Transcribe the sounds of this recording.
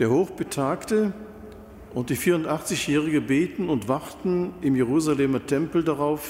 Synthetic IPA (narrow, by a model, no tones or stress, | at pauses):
d̥eːɐhoːχb̥ətʰaːktə | ʔʊnt̚d̥iːfiːɐʁʊntʔaχt͡sɪçjɛːʁɪɡəbeːtn̩ʊntv̥aʁtn̩ɪmjeʁ̞uːzaleːmɐtʰɛmpl̩daʁaʊf